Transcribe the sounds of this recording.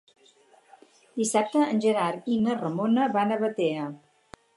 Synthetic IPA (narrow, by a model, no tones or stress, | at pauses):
d̪isap̚t̪əːnʲʒəɾaɾinərəmonəβanəβət̪eə